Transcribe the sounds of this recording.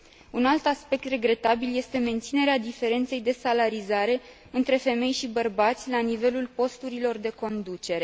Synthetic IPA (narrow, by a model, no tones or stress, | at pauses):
unalt̪aspe̞k̚t̪re̞ɡɾe̞t̪abilje̞st̪e̞me̞nt̪sine̞ɾead̪ife̞ɾe̞nt̪se̞jd̪e̞salaɾizaɾe̞ | ɨnt̪ɾe̞fe̞me̞jʃibərbat̪sʲlanive̞lulpo̞st̪uɾilo̞rd̪e̞ko̞nd̪ut͡ʃe̞ɾe̞